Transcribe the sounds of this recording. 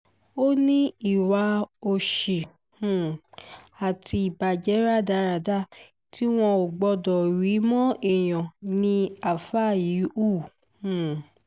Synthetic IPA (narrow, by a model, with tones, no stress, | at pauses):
o˦nĩ˦i˦˨wa˨˧˦o˧ʃi˨ | hũ˦˨ | a˨tʰi˧i˨ba˨d͡ʒɛ˨˦ɾa˦˨da˨˦ɾa˨da˦˨ | ti˦w̃ɔ̃˧o˨ɡ͡bɔ˧dɔ˨ɾi˨˦mɔ̃˦e˦˨j̃ɔ̃˨nĩ˧a˨fa˦˨ji˨˦u˦˨ | hũ˦˨